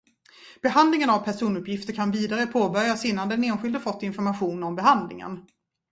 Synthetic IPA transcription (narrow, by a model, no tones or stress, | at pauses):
b̥ɛɦand̪lɪŋənavpʰæʂuːnɵpjɪft̪əɾkʰanviːd̪aɾəpʰoːbœɾjasɪnːand̪ɛneːnɧɪld̪əfɔt̪ːɪnfɔɾmaɧuːnɔmbɛɦand̪lɪ̰ŋə̰n